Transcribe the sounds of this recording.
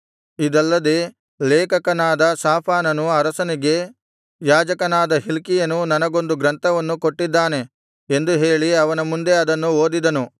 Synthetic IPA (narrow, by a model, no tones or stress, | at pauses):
id̪ɐlːɐd̪e | leːkɐkɐnaːd̪ɐsaːpʰaːnɐnuɐɾɐsɐniɡe̞ | jaːd͡ʒɐkɐnaːd̪ɐɦilkijɐnunɐnɐɡo̞nd̪uɡɾɐnt̪ʰɐʋɐnːuko̞ʈːid̪ːaːne̞ | end̪uɦe̞ːɭiɐʋɐnɐmund̪e̞ɐd̪ɐnːuoːd̪id̪ɐnu